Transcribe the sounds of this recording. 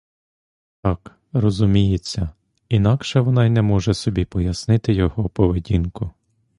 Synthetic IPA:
t̪ɑk | rɔzʊmʲijet͡sʲːɐ | inɑkʃɛʋɔnɑinɛmɔʒɛsɔbʲipɔjɐsnɪt̪ɪjɔɦɔpɔʋedʲinkʊ

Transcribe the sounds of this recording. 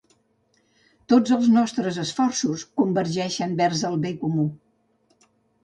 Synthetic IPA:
t̪od͡zəlˠznɔst̪ɾəzəsfɔrsuskumbəɾʒɛʃəmbɛrzəlˠβekumu

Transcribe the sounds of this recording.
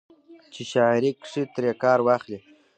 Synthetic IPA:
t͡ʃiʃaiɾikʂit̪ɾekɑːɾwɑχli

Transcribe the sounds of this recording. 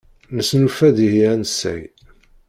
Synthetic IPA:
nəsnufæðihænəsːæ̰j

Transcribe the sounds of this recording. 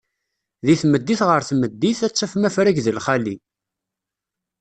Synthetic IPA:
ðiθməd̪ːiθʁəɾθməd̪ːiθæt͡sːæfmæfɾæʝðəlχæli

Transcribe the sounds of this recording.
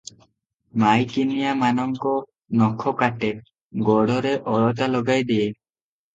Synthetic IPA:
majkinijamanɔŋkɔ | nɔkʰɔkaʈe | ɡɔɽɔɾeʔɔɭɔt̪alɔɡajd̪ie

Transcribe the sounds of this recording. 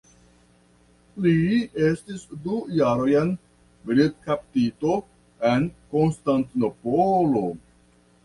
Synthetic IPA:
lie̞stisdujaɾo̞jen | bɾid̚kaptito̞ | e̞nko̞nstantno̞polo̞

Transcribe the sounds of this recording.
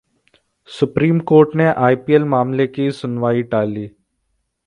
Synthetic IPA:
sʊpɾiːmkoːɾʈneʔaːipiːəlmaːmlekisʊnʋaːiʈaːliː

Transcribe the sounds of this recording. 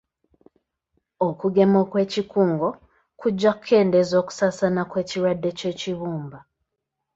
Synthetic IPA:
okuɡe̞mo̞kwe̞ːcikuːŋɡo̞ | kuɟːaku̥kʰe̞ːndezo̞ːku̥sasanakwe̞ːciɾwadːe̞ce̞ːciβuːmba

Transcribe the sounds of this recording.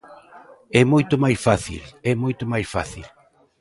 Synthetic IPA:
ɛmojt̪ʊmajsfaθḭlɛmojt̪ʊmajsfaθil

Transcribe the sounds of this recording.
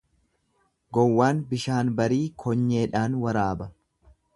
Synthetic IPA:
ɡɔwːaːnbɪʃaːnbɐɾiːkʰɔɲːe̞ːᶑaːnwɐɾaːbɐ

